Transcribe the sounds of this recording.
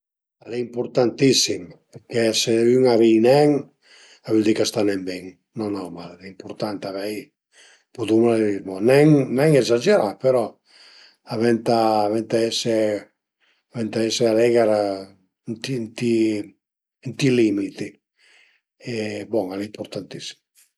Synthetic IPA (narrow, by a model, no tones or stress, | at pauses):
aleimpuɾt̪ant̪isimpeɾkɛseyŋaβijnɛŋ | aβyld̪ikast̪anɛmbɛŋ | nɔnawmallimpuɾt̪ant̪aβɛj | pud̪umlaleɾimonɛŋnɛŋezad͡ʒeɾapeɾɔ | aβɛnt̪aːβɛnt̪aɛse | aβɛnt̪aɛsealɛɡaɾa | nt̪int̪i | nt̪ilimit̪i | ebɔŋalimpuɾt̪ant̪isi̥m